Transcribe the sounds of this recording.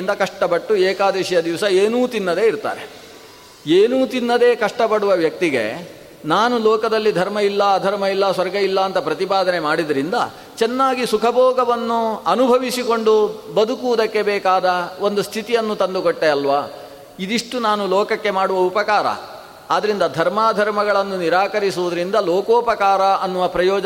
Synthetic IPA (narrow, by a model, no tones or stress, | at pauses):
nd̪ɐkɐʂʈɐpɐʈːueːkaːd̪ɛːʃjɐd̪iʋsɐeːnuːt̪inːɐd̪e̞iɾt̪a̰ːɾe | eːnuːt̪inːɐd̪e̞ːkɐʂʈɐpɐɽuʋɐʋjɐk̚t̪iɡe̞̰ | naːnulɔːkɐd̪ɐlːid̪ʱɐɾmɐilːɐːd̪ʱɐɾmɐilːɐsʋɐɾɡɐilːɐːnt̪ɐpɾɐt̪ipaːd̪ʱɐne̞maːɽid̪ɐɾind̪ɐ̰ | t͡ʃɛnːaːɡisukʰɐbʱɔːɡɐʋɐnːuɐnubʱɐʋisiko̞ɳɖubɐd̪ukuʋd̪ɐkːe̞bɛːkaːd̪ɐo̞nd̪ust̪ʰit̪ijɐnːut̪ɐnd̪ukoʈːeɐlʋaː | id̪iʂʈunaːnulɔːkɐkːe̞maːɽuʋɐupɐkaːɾɐ̰ | aːd̪ɐɾind̪ɐd̪ʱɐɾmaːd̪ʱɐɾmɐɡɐɭɐnːuniɾaːkɐɾisuʋud̪ɐɾind̪ɐloːkoːpɐkaːɾɐʔɐnːuʋɐpɾɐjɔːd͡ʒɐ